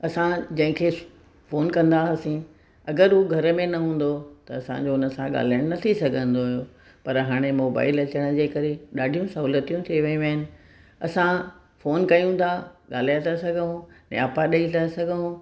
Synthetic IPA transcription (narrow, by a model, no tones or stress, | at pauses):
ɐsãd͡ʑɐ̃ɦɪ̃kʰe | foːnkɐ̃nd̪aɦɐsĩ | ɐɡəɾɦuɡʱɐɾəmẽnɐɦũːn̆d̪ot̪ɐɐsã̰d͡ʑoʊnəsãɠa̰ːl̤aːɪɽ̃nɐt̪ʰisɐɡʱə̃nd̪oɦjo | pɐɾɦaːɽ̃emoːba̰ːɪlɐt͡ɕəɽ̃ə̆d͡ʑeːkɐɾeɗaːɖʱijũsɐɦuːlət̪ijũt̪ʰeʋɐjũʋəənɪ̆ | ɐ̰sã | foːnkɐjũt̪ʰaɠaːl̤aːjt̪ʰasɐɡʱəɦũnɛ̰aːpaɗɐit̪ʰɐsɐɡʱəɦũ